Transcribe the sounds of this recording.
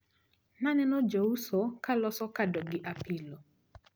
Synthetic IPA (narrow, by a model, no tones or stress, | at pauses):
nanɛnɔd͡ʒousɔkalɔsɔkadɔɡɪʔapɪlo